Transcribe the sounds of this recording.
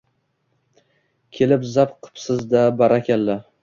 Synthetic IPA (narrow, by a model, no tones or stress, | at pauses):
kʲʰe̞lɪpzapqʰɨ̥psɪzd̪abaɾakʲalːa